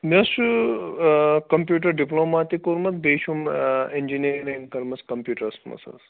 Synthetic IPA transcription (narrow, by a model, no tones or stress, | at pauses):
mʲɐsu | kɐmpjuːʈ̬ɐɾɖiploːmaːt̪ikoːɾmɐt̪̚beːʃumend͡ʒiniɾiŋkɐɾmɐskɐmpjuːʈɐɾɐsmɐ̰sɐ̰s